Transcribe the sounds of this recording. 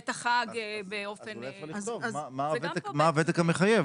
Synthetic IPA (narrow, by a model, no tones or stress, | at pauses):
t̪aχaɡbeofenlajalizovzamavemaːvet̪ekameχajev